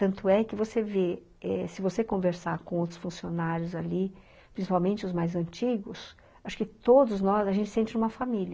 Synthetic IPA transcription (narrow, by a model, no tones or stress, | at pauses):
t̪ɐ̃nt̪ʊɛkɪvoseve | ɛsɪvosekõveɾsakõowt̪ɾʊ̥sfũsionaɾjʊzali | pɾĩsipawmẽnt͡ʃɪʊzmajzɐ̃nt͡ʃiɡʊs | aʃʊ̥kɪt̪od̪ʊznɔsɐʒẽnt͡ʃɪ̥sẽnt͡ʃɪnũmɐfamilʲ